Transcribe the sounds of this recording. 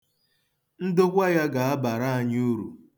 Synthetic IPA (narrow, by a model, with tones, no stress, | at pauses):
n̩˦dʊ˦kʷa˦ja˦ɡa˨a˦ba˨ɾa˦a˨ɲ˦u˦ɾṵ˨